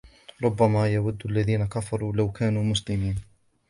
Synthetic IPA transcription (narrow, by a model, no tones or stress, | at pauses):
ɾˤʊbːamaːjawad̪ːʔalːaðiːnakafɑɾˤuːlawkʰaːnuːmʊslɪmiːn